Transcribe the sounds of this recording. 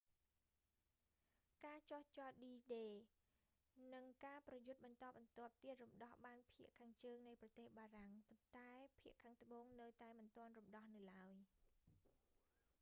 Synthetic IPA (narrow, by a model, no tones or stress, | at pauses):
kaːt͡ɕoht͡ɕɔt̪̚ɗiːɗeː | nɨŋkaːprɑjut̪̚ɓɑnt̪ɑːɓɑnt̪ŏəp̚t̪iət̪̚rumɗɑhɓaːnpʰiəʔkʰaːŋt͡ɕəːŋnɨjprɑt̪eːhɓaːraŋpont̪aɛpʰiəʔkʰaːŋt̪ə̆ɓoːŋnɨwt̪aɛmɨnt̪ŏənrumɗɑhnɨwlaəj